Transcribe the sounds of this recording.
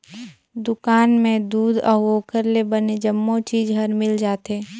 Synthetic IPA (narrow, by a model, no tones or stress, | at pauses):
d̪ʊkaːnmẽd̪uːd̪ɔːoːkəɾlebəned͡ʒəmːot͡ʃiːd͡ʒɦəɾmɪld͡ʒaːt̪eː